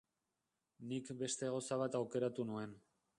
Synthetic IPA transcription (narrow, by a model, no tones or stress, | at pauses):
nikbe̞st̪e̞ɣ̞osaβ̞at̪awke̞ɾat̪unue̞n